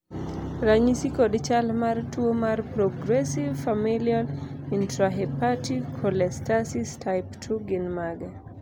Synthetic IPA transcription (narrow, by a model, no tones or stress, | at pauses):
raɲisikodt͡ʃalmartwomarpɾɔɡɾɛsivfamiljalintɾaɦɛpatikʰɔlɛstasistʰaɪptʰuɡɪnmaɡɛ